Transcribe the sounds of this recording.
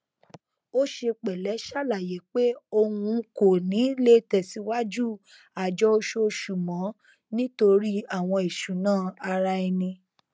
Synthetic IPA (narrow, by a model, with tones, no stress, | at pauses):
o˦ʃe˧k͡pɛ˨lɛ˨˦ʃa˦˨la˨je˨˦k͡pe˦o˧hũ˧ko˨nĩ˨˦le˦tɛ˦˨si˨˦wa˦d͡ʒu˦˨ | a˨d͡ʒɔ˦o˧˦ʃo˦˧ʃu˨mɔ̃˨˦ | nĩ˦to˧ɾi˦a˦˨w̃ɔ̃˧e˨ʃu˨˦nãː˦˨a˧ɾa˧˦i˧nĩ˧